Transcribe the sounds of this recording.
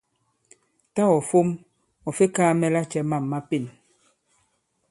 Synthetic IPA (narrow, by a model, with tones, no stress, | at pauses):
ta˦ɔ˨fo˦m | ɔ˨fe˦kaː˦mɛ˦la˦t͡ʃɛ˦ma˦˨mːa˦pi˨n